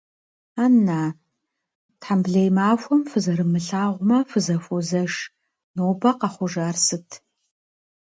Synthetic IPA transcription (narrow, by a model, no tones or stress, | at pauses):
aːnːaː | tħambɮɐjmaːfʷɔmfɨzɐɾɨmɨɬaːʁʷʊmɐfɨzɐfʷɔzɐʂ | noːbɐqɐχʷʊʒaːrsɨtʰ